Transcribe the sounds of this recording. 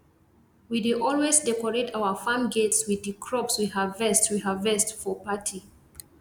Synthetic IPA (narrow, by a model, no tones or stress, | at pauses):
wideʔɔlwezdɛkɔɹetʰawəfãmɡetswiðɨkʰɹɔpswihavːɛstwihavːɛstfɔpatʰi